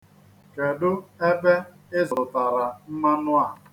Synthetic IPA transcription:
ke˨dʊ˦e˦be˦ | ɪ˦zʊ˨ɾʊ˨ta˨ɾa˨m̩˦ma˦nʊ˦a˨

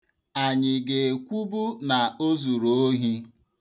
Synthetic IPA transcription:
a˨ɲɪ˨ɡe˨kʷu˦bu˦na˨o˦zu˨ɾo˨o˦ɦi˦

